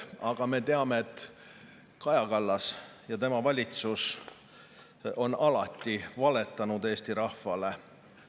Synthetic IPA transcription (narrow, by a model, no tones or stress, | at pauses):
ɑɡ̥ɑme̞t̪e̞ɑme̞et̪ː | kɑjɑkɑlːɑsjɑt̪e̞mɑvɑlʲit̪sus | o̞nɑlɑt̪ˑːivɑle̞t̪ːˑɑnud̪e̞ːst̪iɾɑhvɑle̞